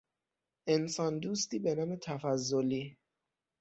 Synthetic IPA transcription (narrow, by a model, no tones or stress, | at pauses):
ensɒːnd̪uːst̪iːbenɒːmet̪ʰæfæzːoliː